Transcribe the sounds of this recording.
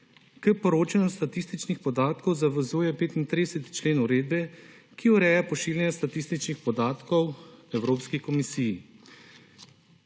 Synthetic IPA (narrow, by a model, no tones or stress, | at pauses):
kəpɔɾoːt͡ʃanɔst̪at̪iːst̪it͡ʃnixpɔd̪aːt̪kɔwzaʋəzuːjɛpeːt̪int̪ɾid̪ɛsɛt̪i̥t͡ʃleːnuɾeːd̪bɛ | kiuɾɛːjapɔʃiːljɛnjast̪at̪iːst̪it͡ʃnixpɔd̪aːt̪kɔwɛwɾoːpskikɔmisiːji